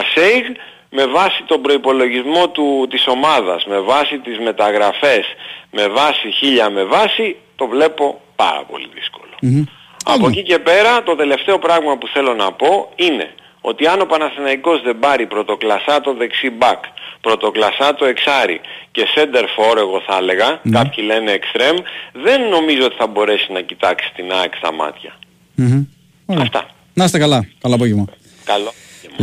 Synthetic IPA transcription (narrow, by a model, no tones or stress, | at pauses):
sejɣ | me̞vɐsit̪o̞bɾo̞ipo̞lo̞ʝizmo̞t̪ut̪iso̞mɐðɐ̰zme̞vɐsit̪izme̞t̪ɐɣɾɐfe̞sme̞vɐsiçiʎɐme̞vɐsit̪o̞vle̞po̞pɐ̰ɾɐ̰po̞̰lḭðisko̞̥lo̞̥ | ɐ̰pocice̞pe̞ɾɐt̪o̞t̪e̞le̞ft̪e̞o̞pɾɐɣmɐpuθe̞lo̞nɐpo̞ine̞̰ | o̞̰t̪iɐno̞pɐnɐθenɐiko̞zðe̞bɐɾipɾo̞t̪o̞klɐsɐt̪o̞ðe̞ksibɐkpɾo̞t̪o̞klɐsɐt̪o̞e̞ksɐɾḭce̞se̞nd̪e̞ɾfo̞ɾe̞ɣo̞θɐle̞ɣɐkɐpçile̞ne̞ːkst̪ɾe̞mðe̞nːo̞mizoo̞t̪i̥θɐbo̞ɾe̞sinɐcit̪ɐksi̥t̪inɐkst̪ɐ̰mɐ̰t̪çɐ | oɾɐft̪ɐ̰ | nɐst̪ekɐlɐkɐloɐpoʝevmɐ | kɐlo | oevm